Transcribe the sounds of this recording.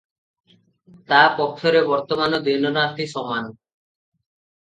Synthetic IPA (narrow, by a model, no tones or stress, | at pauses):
t̪apɔkʃʰoɾebɔɾt̪omanod̪inonat̪ʰiʃɔmːano